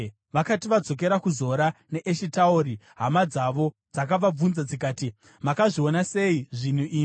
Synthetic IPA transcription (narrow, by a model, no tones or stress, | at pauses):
ʋakatiʋad͡zo̞k̬eɾakuzo̞ɾane̞ʔeʃitaoɾi | ɦamad͡zaʋo̞ | d͡zak̬aʋab͡vunzad͡zikaːti | makaʐio̞nase̞iʐin̤uʔiː